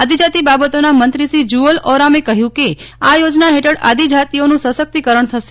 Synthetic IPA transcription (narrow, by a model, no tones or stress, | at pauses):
ad̪id͡ʒat̪ibabət̪onamənt̪ɾisid͡ʒuəlɔɾamekəɦjũkeajod͡ʒnaɦeʈəɽa̰d̪id͡ʒʱat̪ionũsəsək̚t̪ikəɾəɳt̪ʰəʃ